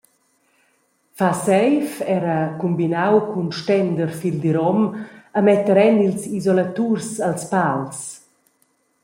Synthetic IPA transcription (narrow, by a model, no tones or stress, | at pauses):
fasɛjfɛɾəkumbinawkʰunʃtɛnd̪əɾfild̪iɾɔməmɛt̪əɾɛnilsizɔlat̪ursalspals